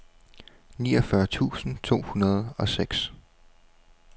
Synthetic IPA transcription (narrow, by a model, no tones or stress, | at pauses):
niːɒfɶɐt͡sʰṵːsn̩t͡sʰo̝̰ːhunɐð̞̩ˠɒ̽seɡ̥s